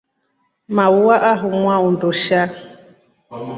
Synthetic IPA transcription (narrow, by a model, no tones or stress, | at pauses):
mauwaʔaɦumwaundoʃa